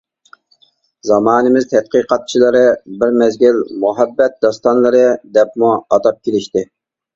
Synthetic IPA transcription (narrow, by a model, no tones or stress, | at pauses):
zɑmɑːnɨmɪz̥t̪ʰɛt̪̚qʰiːqʰɑt̪̚t͡ʃʰilˠɨɾɨbɪɾmɛzɡʲilmuɦɛbːɛt̪̚d̪ɑst̪ɑnlˠɨɾɨd̪ɛp̚muɑt̪ɑp̚kʲʰelɪʃt̪ɪ